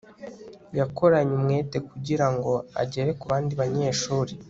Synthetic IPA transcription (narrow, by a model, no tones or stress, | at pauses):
jako̞ɾaɲumŋe̞ːte̞kuɟiɾaŋɡo̞a̰ɟe̞ɾekuβaːndiβaɲe̞ːʃuːɾi